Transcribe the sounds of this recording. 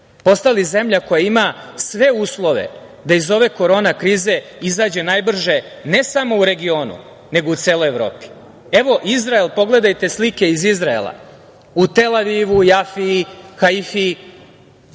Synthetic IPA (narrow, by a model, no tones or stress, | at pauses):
po̞st̪alize̞mʎako̞jaimasʋe̞uːslˠo̞ʋe̞̰ | d̪aizo̞ʋe̞ko̞ɾo̞ːnakɾiːze̞izaːd͡ʑe̞naːjbr̩ʒe̞ | ne̞samo̞uɾe̞ɡio̞ːnṵ | ne̞ɡout̪seːlˠo̞jevɾo̰ːpi̥ | eʋo̞ʔizɾaelˠpo̞ɡle̞d̪ajt̪e̞slike̞izizɾaḛlˠa̰ | ut̪e̞laʋiːʋujafixaifi